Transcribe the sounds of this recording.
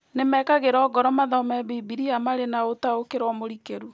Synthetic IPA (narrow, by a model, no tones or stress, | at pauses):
nemɛkaɣeɾɔːɡɔɾɔmaðɔmɛbibiɾiamaɾenaotaokeɾɔmoɾikeɾu